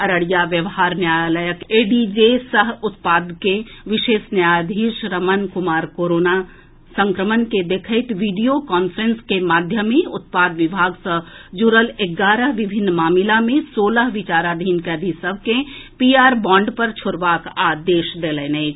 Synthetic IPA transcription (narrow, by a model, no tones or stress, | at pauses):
ɐɾəɽijaʋjəʋɦaːɾnjaːjləjəkeːɖid͡ʒesəɦʊt̪paːd̪keʋɪʃeːsnjaːjd̪ʱiːʃɾəmənkʊmaːɾkoːɾoːna | sə̃ŋkɾəmənked̪ekʰəɪt̪ʋiːɖijokɔːnfʰəɾənskemaːd̪ʱjəmiʊt̪̚paːd̪ʋɪbʱaːɡsəd͡ʒuɾəleɡaːɾəɦʋɪbʱɪnːmaːmɪlamẽsoːləɦʋɪt͡ʃaːɾad̪ʱiːnkɛd̪ʱisəbʱkẽpiːaːɾbɔ̃ːɳɖpəɾt͡ʃʰʊɾʋaːkaːd̪eːʃd̪eːlənei